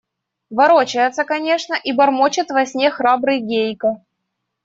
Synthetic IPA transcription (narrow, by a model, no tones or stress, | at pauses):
vɐɾot͡ɕɪjɪt̪sːəkɐnʲe̞ʂnəʔibɐrmot͡ɕɪt̪vɐsʲnʲexɾabɾɨjɡʲejkə